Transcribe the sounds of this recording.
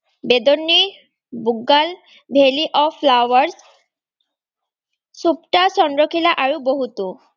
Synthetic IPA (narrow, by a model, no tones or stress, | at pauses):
bed̪onːi | buɡːal | bʱeliʔɔflawaɾs | supʈasɔnɖɾokʰilaʔaɾuboɦut̪u